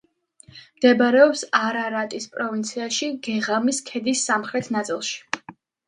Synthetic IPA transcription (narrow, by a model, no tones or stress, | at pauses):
md̪̥ɛbaɾɛɔpsaɾaɾat̪ʼispʼɾɔvint̪sʰiaʃiɡɛʁamiskʰɛd̪isːamχɾɛt̪ʰnat̪sʼilˠʃi̥